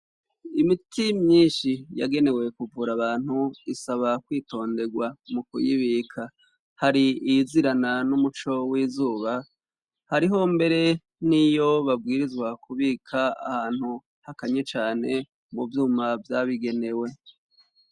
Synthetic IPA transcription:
imitimɲiːʃija̰ɡe̞ne̞we̞kuvuːɾaβaːn̥huisaβakwiːto̞ːnde̞ɡwamukṵjiβiːkʰa | haɾiiziɾananumut͡ʃo̞wiːzuːβa | haɾiɦo̞mbe̞ɾe̞ | nijo̞βabɡiːɾizɡwakuβikʰaa̰haːn̥hu | hakaɲet͡ʃaːne̞ | muvjuːmavjaβiɡe̞ne̞we̞

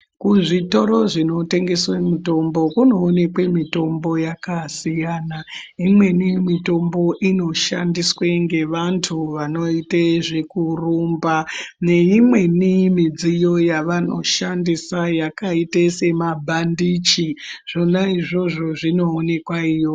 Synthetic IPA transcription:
kuʐito̞ɾo̞ʐino̞te̞ŋɡe̞swemuto̞mbo̞kuno̞ːne̞kwe̞mito̞mbo̞jakasijana | imwe̞nimito̞mbo̞ʔino̞ʃandisweŋɡe̞ʋantʰuʋano̞iteʐekurumbane̞imwe̞nimid͡zijo̞jaʋano̞̰ʃandisajakaitesemabʱandit͡ʃiʐ̥o̞naiʐo̞ʐo̞ʐino̞ːne̞kwaiːjo̞

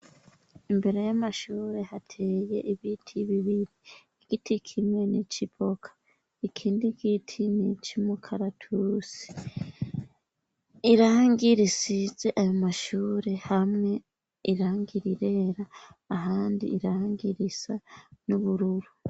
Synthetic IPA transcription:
imbe̞ɾe̞jamaʃuːɾe̞hatʰe̞ːje̞ʔiβitʰiβiβiɾiː | ɡitʰikʰimŋwe̞nit͡ʃipʰo̞kʰḁ | ikʰiːndiɡitʰinit͡ʃimukʰaɾatʰusi̥ | iɾaŋɡiɾisize̞ʔajo̞maʃuːɾe̞hamŋe̞ | iɾaːŋɡiɾiɾe̞ɾaː | ɦaːndḭʔːɾaŋɡiɾisanuβuɾuɾu

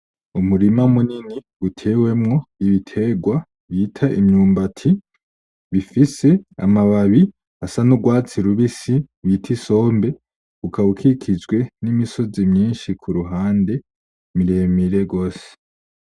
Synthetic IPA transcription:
umuɾimamuniniɡutʰe̞we̞mŋo̞iβitʰe̞ɡwa | βiːtʰaʔimɲuːmbatʰi | βifise̞a̰maβaβi | asanuɡwaːt͡siɾuβisiβitʰiso̞ːmbe̞ | ɡukaβukʰikʰid͡ʒɡwe̞nimiso̞zimɲiːnʃikʰuɾuɦaːnde̞ | miɾe̞ːmiɾe̞ɡo̞ːse̥

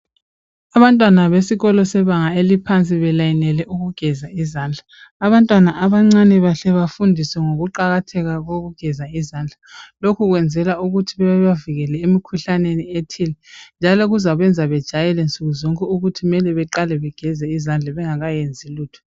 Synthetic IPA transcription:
aβantʼwanaβesiɣɔlɔsɛβaŋaelipʰant͡sʼiβɛlajinɛlɛʔuɣuɡ̥ʱɛzaizaːnd͡ɮʱaː | βantʼwanaʔaβaŋ͡ǀanɛβaɬɛβafundʱisɛŋoɣuǃaɣatʰɛɣaɣoɣuɡ̥ʱɛzaizand͡ɮʱalokʰuɣwɛnd͡zʱɛlauɣutʰiβɛβɛβaviɣɛlɛemikʰuɬanenietʰilɛnd͡ʒʱalɔɣuzaɣwɛnd͡zʱaβɛd̥ʒ̥ʱajɛlɛnt͡sʼuɣuzɔŋkʼɛuɣutʰimɛlɛβɛǃalɛβɛɡ̥ʱɛzɛizand͡ɮʱaβɛŋaɣajend͡zʱiluːtʰɔ̥

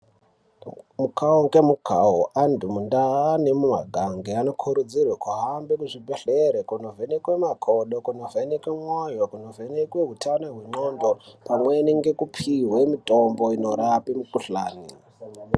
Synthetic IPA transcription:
mukʰaokemukʰaɦoʔandumundaanemuma̰ɡʱaŋɡeano̞kʰuɾud͡zirwakwaɦambekuʐibʱeɬeɾekunovenekwemakʰoɗokuno̞venekwemwajokuno̞venekweɦutʰanaɦweŋ͡ǃondopamweniŋɡe̞kupʰiɦwemitʼombo̞ino̞ɾapimukuɬa̰ːni

